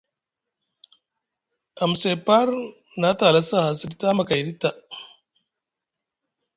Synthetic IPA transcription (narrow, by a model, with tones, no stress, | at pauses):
a˨mse˨pa˦ɾ | na˦ta˨la˦sa˦˨ha˨si˦dta˦ma˨ka˨ɾi˦tːa˨